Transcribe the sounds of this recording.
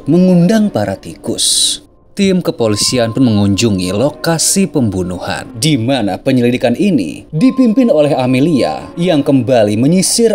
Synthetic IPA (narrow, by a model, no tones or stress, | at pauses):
məŋundaŋpaɾat̪ikʊ̰s | t̪ɪmkəpolisianpʊnməŋuɲd͡ʒuŋḭlokasipəmbunuha̰ndimana̰pəɲəlidikaninḭdipimpɪnolɛɦamilia̰jaŋkəmbaliməɲisɪr